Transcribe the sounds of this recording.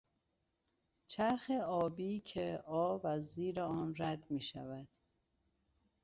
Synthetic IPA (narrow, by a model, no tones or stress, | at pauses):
t͡ʃʰæɾxeɒːbiːcʰeɒːvæziːɾeɒːnɾæd̪miːʃæ̰væd̪̥